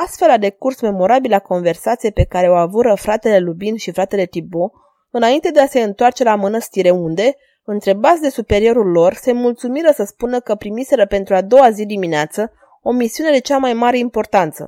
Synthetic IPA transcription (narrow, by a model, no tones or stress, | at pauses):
ast̪fe̞lad̪e̞kursme̞mo̞ɾabilako̞nve̞rsat̪sijepe̞kaɾe̞o̞avuɾəfɾat̪e̞le̞lubinʃifɾat̪e̞le̞t̪ibo̞ | ɨnaint̪e̞d̪e̞ase̞ɨnt̪oart͡ʃe̞lamɨnəst̪iɾe̞und̪e̞ | ɨnt̪ɾe̞bat̪sʲd̪e̞supe̞ɾio̞ɾulːo̞rse̞mult̪sumiɾəsəspunəkəpɾimise̞ɾəpe̞nt̪ɾuad̪o̞wazid̪imineat̪sə | o̞misiune̞d̪e̞t͡ʃamajmaɾe̞impo̞rt̪ant̪sə̰